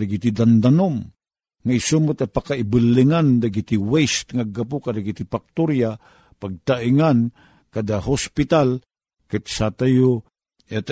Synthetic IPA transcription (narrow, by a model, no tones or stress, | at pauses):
daɡit̪id̪and̪anom | ŋaisumut̪apakaibɨlːiŋand̪aɡit̪iwɛst̪ŋaɡapukad̪aɡit̪ipak̚t̪uɾja | paɡ̚t̪aʔiŋan | kad̪aɦospit̪al | kat̪sat̪ajo | at̪